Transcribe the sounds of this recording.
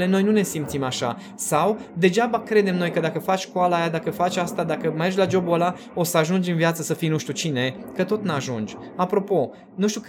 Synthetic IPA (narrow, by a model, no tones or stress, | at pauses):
le̞no̞jnune̞simt̪simaʃa̰ | sawd̪e̞d͡ʒabakɾe̞d̪e̞mno̞jkəd̪akəfat͡ʃskoalajad̪akəfat͡ʃast̪ad̪akəmerʒlad͡ʒo̞bola | o̞səaʒund͡ʒɨnvjat̪səsəfijnuʃt̪ʲut͡ʃine̞kət̪o̞t̪nuaʒund͡ʒ | apɾo̞po̞ | nuʃt̪ʲuk